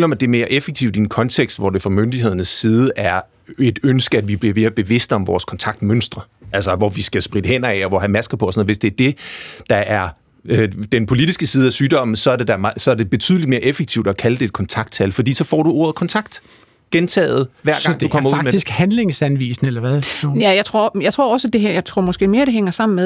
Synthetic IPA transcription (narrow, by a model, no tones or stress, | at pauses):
lɒ̽mæd̥e̝ɐme̝ːɐʔefeɡ̥̚t͡sʰiʊd̥ienkʰɒ̽nt͡sʰeɡ̥sd̥ʋɒd̥e̝fʁɑ̈mønd̥ihe̝ð̞̰ˠɐnəsːiːð̞ˠəʔæɐ | e̝d̥ønsɡ̥əæd̥ʋib̥liɐʋe̝ːɐb̥e̝ʋe̝sd̥əɒ̽mʋɒːskʰɒ̽nt͡sʰɑ̈ɡ̥̚d̥mønsd̥ʁɐ | ælsɐʋɒʋisɡ̥æsb̥ʁid̥əhen̰ɐɛɒʋɒɦæmæsɡ̥ɐpʰɒ̽snð̩ˠʋe̝sd̥e̝æɐd̥e̝d̥ɑ̈ʔæɐ | d̥enpʰo̝lid̥isɡ̥əsiːð̞̩ˠæsyːd̥ɒ̽m̰n̩sɒ̽æɐde̝d̥ɑsɒ̽æɐde̝b̥e̝t͡sʰy̰ðˠlid̥me̝ɐʔefeɡ̚t͡sʰiʊd̥ɒkʰæləd̥e̝d̥̚kʰɒ̽nt͡sʰɑ̈ɡ̥d̥t͡sʰælfɒ̽d̥ḭːsɒ̽fɒ̰ːɾ̥uo̝ːɐð̩ˠkʰɒ̽nt͡sʰɑ̈ɡ̥̚d̥ | ɡ̥ent͡sʰɛ̰ːð̩ˠʋæɐɐɡ̥ŋ̰d̥ukɒm̰ɐuɡˠisɡ̥hænle̝ŋsænʋḭːsn̩elɐʋæðˠjæjɑ̈ɪt͡sʰʁo̝ɐjɑɪt͡sʰʁo̝ɐ̰ɒ̽sæd̥e̝ɦæɐjɑ̈ɪt͡sʰʁo̝ɐmɒ̽sɡ̥e̝̰ːme̝ːɐɾ̥e̝ɦeŋ̰ɐsɑ̈m̰n̩með